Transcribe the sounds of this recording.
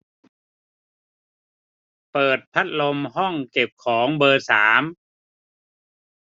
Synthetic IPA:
pɤː˨˩t̪̚pʰa˦˥t̪̚lo˧mhɔ˥˩ŋke˨˩p̚kʰɔː˩˦ŋbɤː˧saː˩˦m

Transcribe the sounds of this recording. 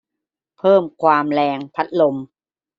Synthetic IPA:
pʰɤː˥˩mkʰwaː˧mlɛː˧ŋpʰa˦˥t̪̚lo˧m

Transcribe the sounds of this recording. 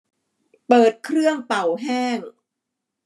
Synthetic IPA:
pɤː˨˩t̪̚kʰɾɯ˥˩əŋpa˨˩wɦɛː˥˩ŋ

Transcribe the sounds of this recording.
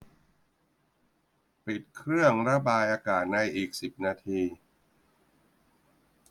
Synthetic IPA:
pi˨˩t̪̚kʰɾɯ˥˩əŋɾa˧baː˧jʔaː˧kaː˨˩t̪̚na˧jʔiː˨˩k̚si˨˩p̚naː˧t̪ʰiː˧

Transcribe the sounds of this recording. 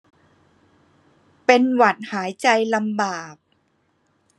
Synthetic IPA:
pe˧nwa˨˩t̪̚haː˩˦jt͡ɕa˧jla˧mbaː˨˩p̚

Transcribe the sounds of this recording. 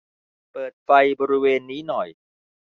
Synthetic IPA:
pɤː˨˩t̪̚fa˧jbɔː˧ɾi˦˥weː˧nːiː˦˥nɔ˨˩j

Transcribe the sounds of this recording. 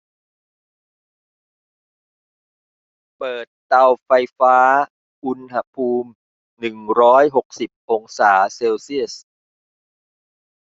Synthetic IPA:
pɤː˨˩t̪ːa˧wfa˧jfaː˦˥ | ʔu˧nɦa˧˥pʰuː˧m | nɯ˨˩ŋɾɔː˦˥jɦo˨˩k̚si˨˩p̚ʔo˧ŋsaː˩˦seː˧wsi˥˩əs

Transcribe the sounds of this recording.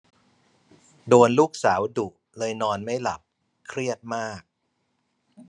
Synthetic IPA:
doː˧nluː˥˩k̚saː˩˦wdu˨˩ʔ | lɤː˧jnɔː˧nma˥˩jla̰˨˩p̚ | kʰɾi˥˩ət̪̚maː˥˩k̚

